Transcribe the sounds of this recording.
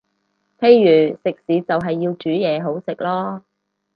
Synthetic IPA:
pʰe˧jːyː˨˩sɪ˨k̚siː˨˥t͡sɐ˨wɦɐ˨jːiː˧wt͡ʃyː˨˥jɛː˨˧ɦo˨˥wsɪ˨k̚lɔː˥

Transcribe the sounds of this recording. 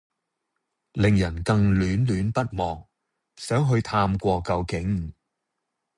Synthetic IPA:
lɪ˨ŋjɐ˨˩nkɐ˧ŋlyː˨˥nlyː˨npɐ˥t̚mɔː˨k̚ | sœː˨˥ŋɦɵ˧ɥt̪ʰaː˧mkʷɔː˧kɐ˧wkɪ˨˥ŋ

